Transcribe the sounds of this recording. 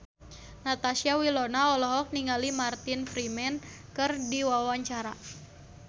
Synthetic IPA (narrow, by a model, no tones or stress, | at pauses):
nat̪asiawilɔnaɔlɔɦɔk̚niŋalimart̪infɾimɛnkɨrdiwawaɲt͡ʃaɾa